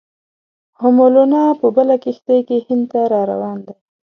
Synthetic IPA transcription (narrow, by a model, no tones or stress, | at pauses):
hʊmolonɑpəbəlakɪxt̪əjkehɪnd̪t̪aɾɑɾa̰wɑnd̪a